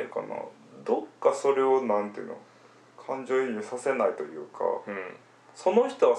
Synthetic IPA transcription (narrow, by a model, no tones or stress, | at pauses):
eɯka̰na̰ | d̪o̞kːaso̞ɾe̞o̞nãnt̪eɯ̟no̰ | kʰãɲ̟d͡ʑo̞ːiɲisase̞nait̪o̞jɯ̟̰ːkʰa̰ | so̞no̞çi̥t̪o̞βa